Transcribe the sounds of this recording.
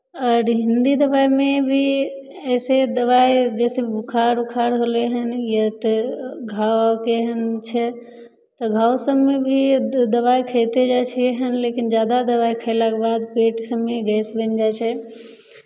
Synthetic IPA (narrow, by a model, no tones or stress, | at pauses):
ɔɾɦind̪id̪əbajmebʱi | əsed̪əβajd͡ʒɛseukʰaɾukʰaɾɦoleɦənjət̪eɡʱawkeɦənt͡ʃʰɛ | t̪əɡʱawsəbmebʱid̪əβaikʰəɪt̪ed͡ʒat͡ʃʰɛeɦənlekind͡ʒjad̪ad̪əβaikʰəɪlakebad̪peʈsəbmeɡɛsbənd͡ʒat͡ʃʰɛ